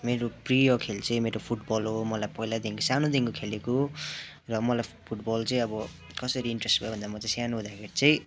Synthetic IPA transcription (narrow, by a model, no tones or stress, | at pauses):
meɾoprijʌkʰelt͡sʌĩmeɾopʰuʈbʌlɦomʌlajpʌɦilad̪iŋkosanod̪iŋkokʰeleko | rʌmʌlajpʰuʈbʌlt͡sʌĩʌbʌ | kʌsʌɾiiɳʈresʈbʱabʱʌnd̪amʌt͡sʌj̃sjanuɦũd̪akʰeɾit͡sʌĩ